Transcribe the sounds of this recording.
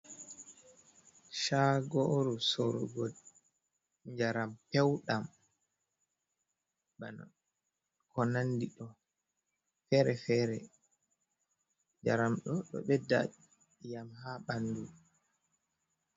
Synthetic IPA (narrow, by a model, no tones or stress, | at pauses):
ʃaɡoɾusoɾɔ̰ɡɔ | ɲd͡ʒaɾampɛwɗam | bana̰ | kɔnandiɗɔ | fɛɾɛfɛːɾɛ | ɲd͡ʒaɾamɗɔɗɔ̰ɓɛda̰ | jamɦaɓanːdu